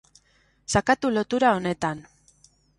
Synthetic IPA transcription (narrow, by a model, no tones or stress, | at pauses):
sakat̪ulo̞t̪uɾao̞ne̞t̪an